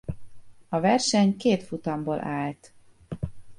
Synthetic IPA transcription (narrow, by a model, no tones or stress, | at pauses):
ɒvɛrʃɛɲkeːt̪fut̪ɒmboːlʔaːlt̪